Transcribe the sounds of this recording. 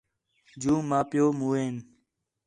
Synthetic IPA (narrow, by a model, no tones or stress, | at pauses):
d͡ʒũːmãːpɪjoːmuːeːn